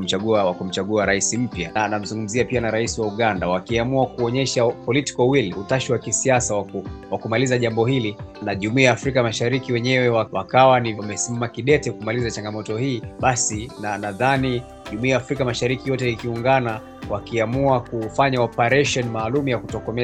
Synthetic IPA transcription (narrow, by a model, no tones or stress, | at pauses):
m̩t͡ʃaɠuawakum̩t͡ʃaɠuaɾaisim̩pjanam̩zuŋɡum̩ziapianaɾaisiwauɠandawakiamuakuɔɲɛʃapɔliti̥kɔwiliutaʃiwakisiasawakuwakumalizaʄambɔhilinaʄumuiaːfɾikamaʃaɾikiwɛɲɛwɛwawakawanimɛsimamakiɗɛtɛkumalizat͡ʃaŋɡamɔtɔhiːɓasinanaðani | ʄumuiaːfɾikamaʃaɾikijɔtɛikiuŋɡana | wakiamuakufaɲaɔpaɾɛʃɔnimaːlumujakutɔkɔmɛ